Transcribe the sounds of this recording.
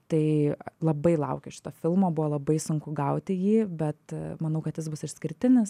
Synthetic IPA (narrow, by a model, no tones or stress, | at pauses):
t̪ɐɪlˠɐbɐɪlˠɐʊkʲɪʃʲɪ̥t̪oːfʲɪlˠmoːbʊʋoːlˠɐbɐɪsʊŋkʊɡɐʊt̪ʲɪjiːbʲɛt̪mɐnɐʊkɐt̪jɪsbʊsɪʃʲsʲkʲɪɾʲt̪ʲɪnʲɪs